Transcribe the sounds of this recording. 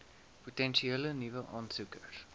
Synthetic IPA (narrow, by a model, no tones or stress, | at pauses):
pɔtɛ̃nʃiɛlənivəʔɔ̃nsukəɾ